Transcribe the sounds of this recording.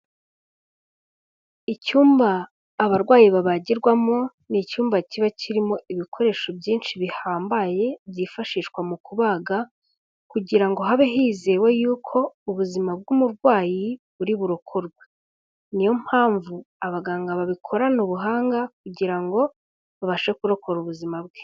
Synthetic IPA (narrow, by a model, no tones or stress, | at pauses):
icuːmbaː | βaɾɡwaːjiβaβaɟiɾɡwamo̞ | nicuːmbaciβaciɾimo̞iβikʰo̞ɾe̞ːʃo̞bjiːnʃiβihaːmbaje̞bjiːfaʃiːʃkwamukuβaːɡa | kuɟiɾaŋɡo̞ɦaβeɦiːze̞wejuːkʰo̞uβuzimab̚ɡumuɾɡwaːjiβuɾiβuɾokʰoɾɡwe | nijom̥haːɱvu | aβaɡaːŋɡaβaβikʰo̞ɾanuβuɦaːŋɡak̚uɟiɾaŋɡo̞ | βaβaʃwekuɾo̞kʰo̞ɾuβuzimab̚ɡwe̥